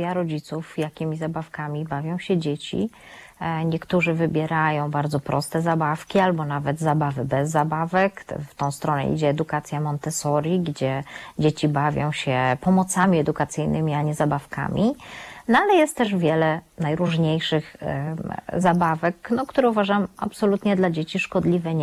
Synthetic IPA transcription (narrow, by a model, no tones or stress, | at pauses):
aɾɔd͡ʑit̪sufjakʲimʲizabafkamʲibavʲjɔ̃w̃ɕɛd͡ʑet͡ɕḭ | ɲɛkt̪uʐɘvɘbʲjɛɾajɔ̃w̃baɾd̪zɔpɾɔst̪ɛzabafkʲialbɔnavɛd̪zabavɘbɛzːabavɛkft̪ɔ̃w̃st̪ɾɔnɛ̰ʔḭd͡ʑɛːd̪ukat̪sʲjamɔnt̪ɛsɔɾʲiɡd͡ʑɛd͡ʑet͡ɕibavʲjɔ̃w̃ɕɛpɔmɔt̪samʲiɛd̪ukat̪sɘjnɘmʲiaɲɛzabafka̰mʲʔinɔalɛjɛst̪t̪ːɛʐvʲjɛlɛnajɾuʐɲejʂɘx | zabavɛknɔkt̪uɾɛuvaʐama̰psɔlut̪ɲɛd̪lad͡ʑet͡ɕiʂkɔd̪lʲivɛɲ